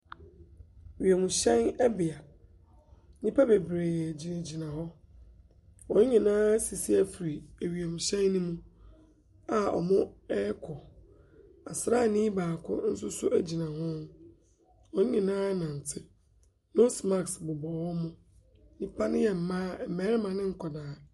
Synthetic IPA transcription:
ɥi˨e˨mʊ̃˨ɕɛ̃˦nɛ˦bɪ˨a˨ | nĩ˦pʰa˦be˨bɾe˨jɛ˨d͡ʑi˨nã˨d͡ʑi˨nã˨ɦɔ˦ | ɔ˨n̩˦ɲɪ̃˨nãː˦si˨si˦æ˨fi˨ɾi˨æ˨ɥi˨e˨mʊ̃˨ɕɛ̃˦nː˦ʊ̃˦mũ˦ | a˨ɔ̰˨mʊ̃˦ɛ˦kʰɔ˨ | a̰˨sɾa˦˨nĩː˦baː˨kʰʊ̰˦n̩˦sʊ˦sʊ˦ʔæ˦d͡ʑi˨nã˨hʊ̃˦n | ɔ˨ɲ̩˦ɲĩ˨nãː˦nã˨n̩˨tʰɪ˦ | nõ˦sma˦˨ksbʊ˨bɔ˨wɔ˦mʊ̃˦ | nĩ˦pʰa˦nɪ̃˦jɛ˨m̩˨mãː˦˨˦mɛː˨˦ɾmã˨nɪ̃˦ŋ̩˦kʰɔ˨daː˨

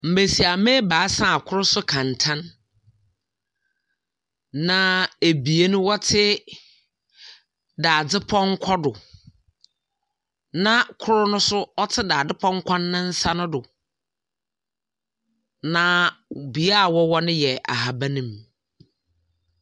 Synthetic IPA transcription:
m̩˨bæ˨si˨a˨mẽ˦baː˨˦sã˦˨kʰʊ˦ɾʊ˦sʊ˦kʰã˨ntʰã˦n | ã˦e˨bi˨e˦nʊ̃˦wɔ˦tʰɪ˦ | daː˨d͡zɪ˦pʰɔ˦ŋ˦kʷʰɔ˦dʊ˨ | nã˦kʰʊ˦ɾʊ˦nʊ̃˦sʊ˦ɔ˦tʰɪ˦daː˨dɪ˦pʰɔ̃˦ŋ̩˦kʷʰã˦nː˦ã˦n̩˦sa˦nʊ̃˦dʊ˨ | nã˦bi˨a˦a˨wɔ˦wɔ˦nɪ̃˦jɛ˨ʔa̰˨ɦa˨ba˦nĩ˦m˨

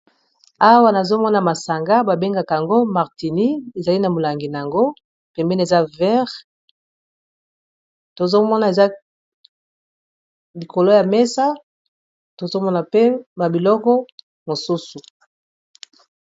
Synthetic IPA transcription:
a˦wa˦na˨zo˦mɔ˦na˨ma˨sa˨ŋɡa˦ba˨be˦ŋɡa˨ka˨a˨ŋɡo˦ma˨ʁti˨ni˦e˨za˨li˦na˨mo˨la˨ŋɡi˨na˨ja˨ŋɡo˦ | pɛ˨mbe˦n˦e˨za˦vɛ˦ʁ | to˨zo˦mɔ˦na˨e˨za˦ | li˨ko˨lo˦ja˨mɛ˦sa˦ | to˨zo˦mɔ˦na˨pe˦ba˨bi˨lɔ˦kɔ˦ | mo˨su˦su˨

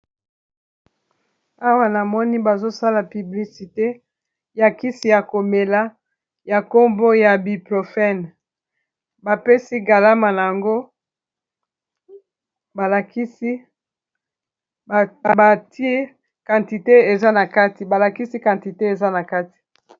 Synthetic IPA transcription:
a˦wa˦na˨mɔ˦ni˦ba˨zo˦sa˦la˨py˨bli˨si˨te˦ | ja˨ki˦si˨ja˨ko˨me˨la˦ | ja˨ko˦mbo˦ja˨bi˨pʁo˨fɛ˦n | ba˨pe˦si˦ɡa˨la˦ma˨na˨ja˨ŋɡo˦ | ba˨la˨ki˦si˦˨ | ba˨ti˦e˦ | ka˨nti˨te˦e˨za˦na˨ka˦ti˨ba˨la˨ki˦si˦kã˨nti˨te˦e˨za˦na˨ka˦ti̥˨

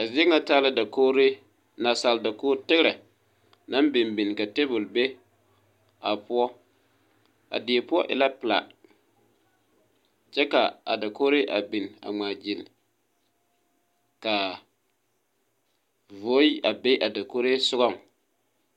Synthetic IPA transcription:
a˨vi˦ɛ˦ŋa˦taː˦lɪ˦da˨ko˦ɾe˦ | na˨sa˨lda˨koː˦tɪ˦ɡɾɛ˨ | na˦mbɪ˨mbi˨n˨ka˨te˦bʊ˨lbe˦ | a˨pʊ˦ɔ˦ | a̰˨dɪ˨e˨pʊ˦ɔ˦ʔɪ̰˨la˦pɪ˨la̰˨ | t͡ʃɛ˦ka˨a̰˨da˨ko˦ɾe˦ʔa˨bi˨n˨a̰˨ŋ͡maː˨d͡ʒi˨n˨ | ka˨ | vo˨˦ji˦ʔa˨be˦ʔa˨da˨ko˦ɾe˦sʊ˦ɣɔ˦˨ŋ

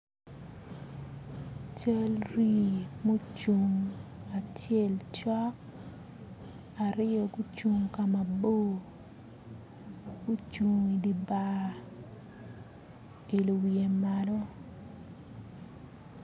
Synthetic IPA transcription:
t͡ʃa˦lri˦mo˦t͡ʃu˨ŋa˨tje˦˨lt͡ʃɔ˦k̚ | a˨ɾɪ˦o˨ɡu˦t͡ʃu˨ŋka˨ma˨bo˦˨ | ɡu˦t͡ʃu˨ŋi˨di˨ba˦˨ | i˨lu˨wie˨ma˨lo˦

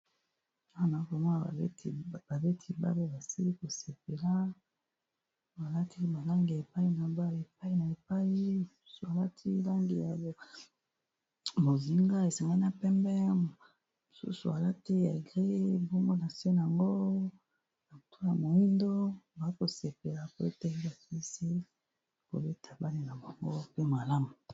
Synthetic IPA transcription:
a˦wa˦˨na˨˦ko˨mo˦na˨˦˨ba˨be˦tʰi˦ba̰˦be˦ba˨si˦li˦ko˨se˨p̚e˨la˦ | ba˨la˦tʰi˦ba˨la˦ŋɡi˨a˨e˨pa˦i˦na˨ba˦˨e˨p̚a˦i˦na˨e˨pa˦i˦˨su˦su˨a˨la˦tʰi˦la˦ŋɡi˨ja˨ | mo˨zi˦ŋɡa˦e˨sa˨ŋɡa˦i˦n˦a˨pɛ˦mbɛ˦˨ | mo˨sṵ˦sṵ˨a˨la˦ti˦ja̰˨ɡʁe˦bo˦ŋɡo˦na˨se˦n˨a˨ŋɡo˦ | na˨o˨tʰu˦a˨mo˨i˦ndo˦ba˨˦ko˨se˨pe˨la˨po˦e˦tɛ˦a˨ki˦se˦ | ko̰˨be˦tʰa˨ba˦li˨na˨ba˨ŋɡo˦pe˦ma˨la˦mu˨

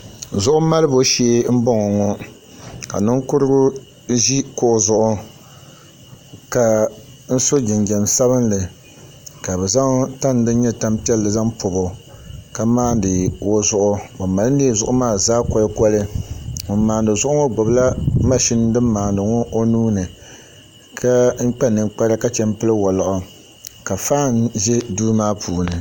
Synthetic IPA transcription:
zʊ˦ʔʊ˦ma˦lɨ˦bo˦ʃeː˦m̩˦bɔ˦ŋɔ˨ŋɔ˦ | ka̰˨nɨ˦ŋ˦kʊ˦ɾɨ˦ɡʊ˦ | ʒi˦ko˨ʔʊ˨zʊ˦ʔʊ˦ | ka˨ | n̩˦so˦d͡ʒɪ˨nd͡ʒɛ˨nsa˦βɨ˦nlɨ˨ | ka˨bɛ˨za˦ŋ˦ta˦n˨dɨ˦ɲɛ˦ta˦mpi˦ɛ˦lːɨ˨za˦ŋpʰʊ˨bo˨ka˦maː˦n˦dɨ˨wo˦zʊ˦ʔʊ˦ba˨ma˨lɨ˦n˦ne˦˨zʊ˦ʔʊ˦maː˦˨zaː˦kɔ˦lɨ˦kɔ˦lɨ˦mɨ˨˦mːaː˨ndɨ˨zʊ˦ʔʊ˦ŋɔ˦ɡ͡bʊ˨bla˦ma˦ʃi˦n˦dɨ˦mː˦aː˨ndɨ˨ŋɔ˦ʔo˦nuː˦nɨ˨ | kʰa˦ŋ̩˦k͡pɛ˦nɨ˨ŋk͡pa˦ɾa˦ka˦t͡ʃɛ˦m˦pɨ˦lɨ˦wɔ˨la˨ʔʊ˨ | ka˨faː˦˨nʒɛ˦duː˦maː˦pʰuː˨nɨ˨

